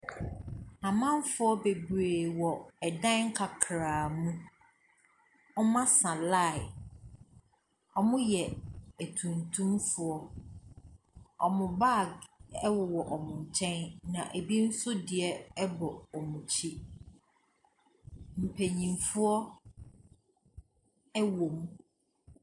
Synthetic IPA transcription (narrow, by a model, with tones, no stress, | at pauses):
a˨mã˦n˦fʊ˦ɔ˦be˨bɾeː˨wɔ˨ɛ˨dã˦nŋ̩˦kʰa˨kʰɾaː˨mũ˦ | ɔ˦mã˦sã˨la˦˨ | ɔ˦˨mʊ̃˦jɛ˨æ˨tʰũ˨ntʰũ˦mfʊ˨ɔ˦ | ɔ˨mʊ̃˨ba˦˨ɡɛ˦wʊ˨wɔ˨ʔɔ˨mʊ̃˨ɲ˨t͡ɕʰɛ̃˦nnã˨ʔæ˨bi˦n̩˦sʊ˦dɪ˨ɛ˦ɛ˦bɔ˨ɔ˨mũ˨t͡ɕʰi˦ | m̩˨pʰæ˨ɲĩ˨mfʊ˦ɔ˦ | ɛ˦wo˨m˦